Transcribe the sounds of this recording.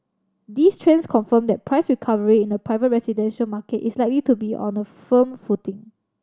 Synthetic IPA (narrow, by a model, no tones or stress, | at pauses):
distʰɹɛ̃nskʰɔ̃nfə̃mdɛt̚pʰɹaɪsɹikʰavəɹiɪ̃nəpɹaɪvət̚ɹɛsidɛ̃nʃəlmakətislaɪklitubiʔɔ̰̃nəfə̃mfutɪ̃ŋ